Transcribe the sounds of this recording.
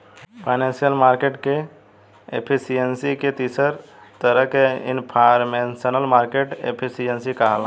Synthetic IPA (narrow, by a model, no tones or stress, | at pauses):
pʰaɪnẽnsijəlmaːɾkeʈke | ḛpʰisijənsiket̪iːsəɾ | t̪əɾəkeḭnpʰaɾmẽnsənəlmaːɾkeʈḛpʰisijənsikaɦəl